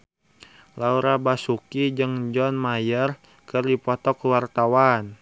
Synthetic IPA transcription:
lauɾabasukid͡ʒɨŋd͡ʒɔnmajər | kərdipɔt̪ɔkuwart̪awan

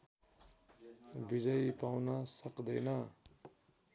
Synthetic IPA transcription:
bid͡zʌjpawnʌsʌkd̪ʌjnʌ

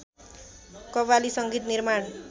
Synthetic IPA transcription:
kʌβalisʌŋɡit̪nirmaɳ

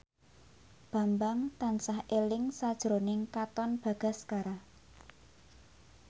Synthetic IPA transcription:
b̥a̤mbaŋt̪ansahʔelɪŋsad̥ʒ̥ɾonɪŋkat̪ɔnb̥a̤ɡ̥a̤skaɾa

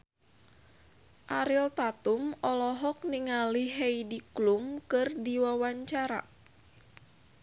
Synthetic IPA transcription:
ʔaɾilt̪at̪umɔlɔɦɔk̚niŋaliɦejdiklumkɨrdiwawaɲt͡ʃaɾa̰

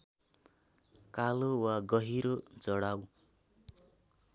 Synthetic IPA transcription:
kalowaɡʌɦiɾod͡zʌɽaw

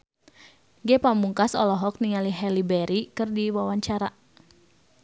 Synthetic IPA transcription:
ɡɛpamuŋkasɔ̰lɔɦɔk̚niŋaliɦɛlibɛɾikɨrdiwawaɲt͡ʃaɾa

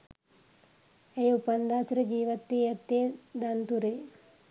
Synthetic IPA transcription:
ejupɐnd̪aːsɾid͡ʒiːʋɐt̪ːijɐt̪ːeːd̪ɐnt̪uɾe

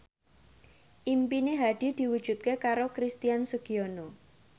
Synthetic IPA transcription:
ʔimpineɦaɖ̥i̤d̪̥i̤wud̥ʒ̥ṳt̪̚kekaɾokɾist̪ijansəɡ̥iono

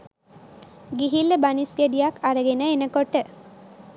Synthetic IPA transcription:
ɡiɦilːebanisɡed̪ijakʰaɾəɡenəenəkɔʈə

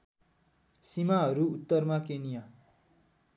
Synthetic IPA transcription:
simaɦʌɾuːt̪ːʌrmakenija

